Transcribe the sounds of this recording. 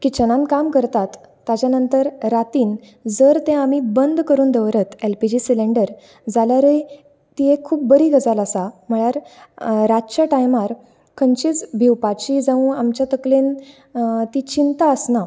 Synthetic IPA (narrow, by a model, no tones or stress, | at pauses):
kit͡ɕənãnkamkəɾt̪at̪ː | at͡ɕjanənt̪əɾɾat̪iːn | d͡zəɾt̪ẽamibənd̪kəɾuːnd̪əʋɾət̪elpid͡ʑisileɳɖəɾ | d͡zaljaɾəj | t̪iɦẽkʰuːp̚bəɾiːɡəd͡zaləsam̤əɭjaɾɾat͡ɕaʈajmaɾ | kʰənt͡ɕiːt͡sbʱiwpat͡ɕid͡zaʋũamt͡ɕjat̪əklen | t̪it͡ɕint̪aəsna